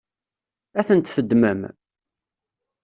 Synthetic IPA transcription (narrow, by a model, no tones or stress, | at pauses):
æθənt̪θəd̪mə̰m